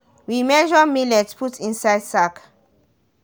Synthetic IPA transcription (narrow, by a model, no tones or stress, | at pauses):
wimɛʒɔmilɛtpʰutĩnsaɪdsak